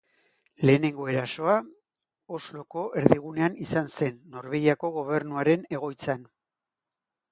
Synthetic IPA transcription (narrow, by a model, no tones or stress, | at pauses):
le̞ːne̞ŋɡo̞e̞ɾaso̞a | ozlo̞ko̞ʔe̞ɾðiɣ̞une̞anisanse̞nːo̞ɾβeɣiako̞ɣ̞o̞β̞e̞ɾnuaɾe̞ne̞ɣ̞o̞jt͡san